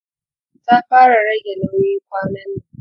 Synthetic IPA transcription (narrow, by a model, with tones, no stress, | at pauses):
ta˦ɸaː˦ɾa˨ɾɐ˦ɡʲe˨nʊ˦i˦kʷaː˦mɐ˦n˨